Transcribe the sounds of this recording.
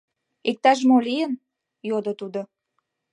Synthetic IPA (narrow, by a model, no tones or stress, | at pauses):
ek̚t̪ɑʃ̬molijən | jod̪ot̪ud̪o